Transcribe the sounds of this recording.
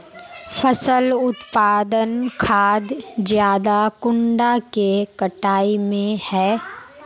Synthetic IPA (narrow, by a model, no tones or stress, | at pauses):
fəsəlʊt̪paːd̪ənkʰaːd̪zjaːd̪akʊ̃ɳɖakekəʈaːimẽhɛː